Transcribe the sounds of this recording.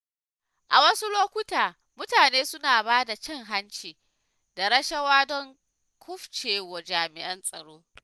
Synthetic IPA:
ʔa˨wɐ˦su˦loː˦kʷʊ˦taː˨ | mʊ˦taː˨neː˦sʊ˦naː˨baː˦da˨t͡ʃɛ˦ŋɦa˦nt͡ʃiː˨ | da˨ɽɐ˦ʃɐ˦waː˦dɔ˦ŋ | kʷʰʊ˦ɸt͡ʃeː˨wɐ˨d͡ʒaː˨mɪ˨ʔɐ˦nsʼɐ˨ɽoː˦

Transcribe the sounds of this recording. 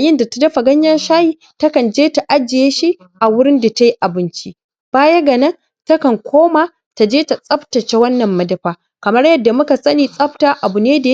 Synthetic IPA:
a˨jɪ˦nda˨ta˦dɐ˦ɸa˨ɡɐ˦ɲjɐ˦nʃaː˦jiː˦ | tɐ˦kɐ˨nd͡ʒeː˦ta˨ʔa˦d͡ʒɪ˨jeː˦ʃi˦ | ʔa˨wʊ˦ɽɪ˦nda˨ta˦ji˦ʔa˨bɪ˦nt͡ʃi˦ | b̥aː˦jɐ˦ɡɐ˨nɐ˦ŋ | tɐ˦kɐ˨ŋkʷoː˦ma˨ | ta˨d͡ʒeː˦ta˨sʼɐ˦ɸtɐ˨t͡ʃe˦wɐ˦nːɐ˨mːɐ˦dɐ˨ɸaː˦ | kɐ˨mɐ˦rjɐ˦dːa˨mʊ˦ka˨sɐ˦niː˨sʼɐ˦ɸtaː˨ʔa˨bʊ˨neː˦da˨˦

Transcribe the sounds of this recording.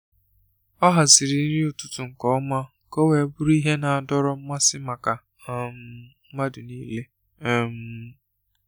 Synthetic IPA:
ɔ˦ɦa˨sɪ˨ɾi˨˦ɾi˦ʊ˨tʊ̥˦tʊ˨ŋ̩˨kɔ˦ma˦ | ko˦we˨˦bʊ˦ɾi˦ɦe˦na˨a˨dɔ˦ɾɔ˦m̩˦ma˦sɪ˦ma˨ka˨˦ | m̩˦ | ma˦dʊ˨niː˦le˦˨ | m̩˦

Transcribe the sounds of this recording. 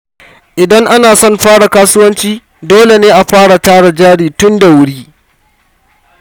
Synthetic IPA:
ʔɪ˨dɐ˦ŋʔa˦naː˨sɔ˦˨mɸaː˦ɽa˨kaː˦sʊ˦wɐ˦nt͡ʃiː˦ | doː˦le˨neː˦ʔa˨ɸaː˦ɽa˨taː˦ɽa˨d͡ʒaː˦ɽiː˨tʊ˦nda˨wʊ˦ɽiː˦

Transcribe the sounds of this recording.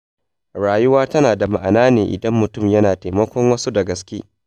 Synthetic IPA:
ɽaː˨jʊ˦waː˦tɐ˦naː˨da˨ma˨ʔa˨naː˦neː˨ʔɪ̰˨dɐ˦mːʊ˨tʊ˦˨mjɐ˦naː˨ta˨mɐ˦kʷɔ˦ŋwɐ˦su˦da˨ɡɐ˨skʲeː˦

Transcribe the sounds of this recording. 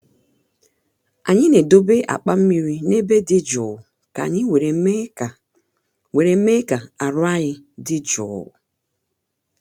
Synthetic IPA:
a̰˨ɲɪ˦ne˨do˦be˦ʔa̰˨k͡pa˦m̩˦mi˦ɾi˦ne˦be˦dɪ˦d͡ʒɔ˨ | ka̰˨ɲɪ˦we˨ɾe˨˦˨ | we˨ɾe˨m˦me˦ka˨a˨ɾʊ˦a˦ɣɪ˦dɪ˦d͡ʒɔ̰˨

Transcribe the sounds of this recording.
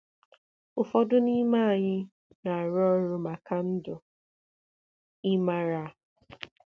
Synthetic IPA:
ʊ˨fɔ˦dʊ˦ni˦ma˦˨ɲɪ˦ | na˨a˨ɾɔ˦ɾʊ˦ma˨ka˦n̩˦dʊ˨ | i˦ma˦ɾa˦˨

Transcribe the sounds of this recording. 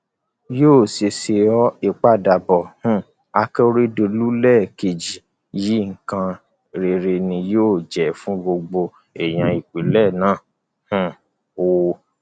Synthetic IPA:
joː˦˨se˧se˧ɔ˦i˦˨k͡pa˦˨da˨bɔ˨hũ˦ | a˧kɛ˦˧ɾi˦do˧lu˦lɛ˦˨ke˨d͡ʒi˨ | ji˨˦ŋ̩˨kã˧ | ɾe˨ɾe˧nĩ˧joː˦˨d͡ʒɛ˨fũ˦ɡ͡bo˧ɡ͡bo˧ | ɛ˨j̃ã˧i˨k͡pi˨˦lɛ˦˨nãː˦˨ | hũ˦˨ | o˨

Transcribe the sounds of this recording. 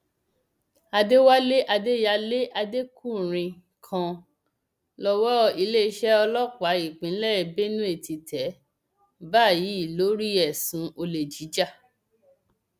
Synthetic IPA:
a˧de˦wa˦le˦ʔa˧de˦ja˧le˦ʔa˧de˦ku˦˨ɾ̃ĩ˧ | kʰã˧ | lɔ˦wɔ˦i˧le˦ʃɛ˦ɔ˧lɔ˦k͡pa˨˦i˦˨k͡pĩ˨˦lɛ˦˨be˦nũ˦e˦˨tʰi˧tʰɛ˨˦ | baː˦˨ji˨˦i˦˨lo˨˦ɾi˦ɛ˨sũ˨o˧le˨d͡ʒi˨˦d͡ʒa˦˨

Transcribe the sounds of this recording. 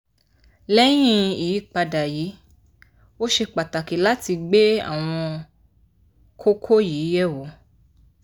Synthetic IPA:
lɛ˦j̃ĩ˧i˨i˦˨k͡pa˧da˨ji˨˦ | o˦ʃe˧k͡pa˨ta˨ki˨˦la˦ti˧ɡ͡be˦a̰˦˨w̃ɔ̃˧ | kʰo˦kʰo˦jiː˨˦jɛ˦˨wo˨˦

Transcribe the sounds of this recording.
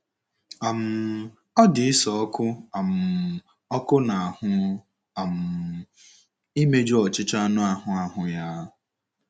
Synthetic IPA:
a˨m̩˦ | ɔ˦dɪ˨ɪ˦sɔ˨ɔ˦kʊ˦a˨m̩˨ | ɔ˦kʊ˦na˨a˨hʊ˦ | a˨m̩˨ | i˦me˦d͡ʒu˦ɔ˨t͡ʃɪ˦t͡ʃa˦a˦nʊ˦a˦˨ɦʊ˨a˨ɦʊ˨ja˦

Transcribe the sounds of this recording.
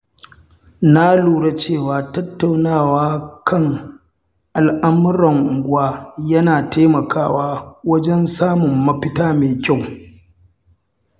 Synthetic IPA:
na˦luː˨ɽa˦t͡ʃeː˦˨waː˨tɐ˦tːa˨wnaː˦˨waː˦kʰɐ˦ŋ | ʔa˨lʔa˦mʊ˦ɾɐ˨ŋɡʷʊ˦aː˦jɐ˦naː˨teː˦mɐ˨kaː˦waː˦wɐ˦d͡ʒɛ˦nsaː˦mʊ˨mːɐ˦ɸɪ˦taː˦meː˨kʲa˦˨w

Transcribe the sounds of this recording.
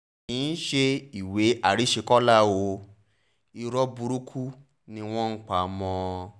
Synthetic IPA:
ĩ˨˦n̩˦ʃe˧i˨we˨˦a˦˨ɾi˨˦ʃe˧kɔ˦la˦˨wo˧ | i˧ɾɔ˦bu˧ɾu˦kʰu˦ | nĩ˧w̃ɔ̃˦n̩˦k͡pa˨mɔ̃˧

